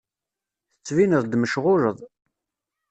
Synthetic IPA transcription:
θət͡sːvinəðˤd̪məʃʁʊɾəðˤ

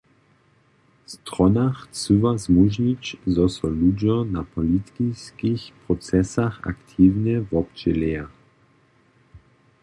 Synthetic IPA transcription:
st̪ʁɔnaxt͡suvazmuʒit͡ɕzɔsɔlud͡ʑɔna̰pɔlit̪kiskixpʁɔt͡sɛsaxa̰kt̪ʰiːwɲɛvɔpt͡ʃɛlɛa

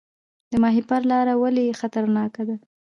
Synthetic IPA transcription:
d̪əmɑɦipaɾlɑɾawalexat̪aɾnɑkad̪a

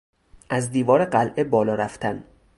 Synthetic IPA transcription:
ʔæzd̪iːvɒːɾeɢælʔebɒːlɒːɾæft̪ʰæn

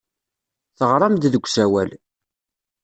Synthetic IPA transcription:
θəʁɾˤɑmd̪ðəɡʷːsæwæl

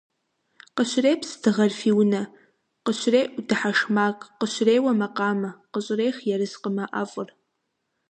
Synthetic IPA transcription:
qəɕʷreːpʰsdɨʁɐrfiːwnɐ | qəɕʷreːʔudɨħaʂmaːkʼqəɕʷreːwɐmɐqɑːmɐqəɕʼreːχjɛɾɨzqəmɐʔa̰ːfʼʊr

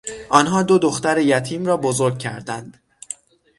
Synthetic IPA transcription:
ʔɒːnɦɒːd̪o̞d̪o̞xt̪æɾejæt̪ʰiːmɾɒːbozo̞ɾɡ̚cʰæ̰ɾd̪ænd̪̥

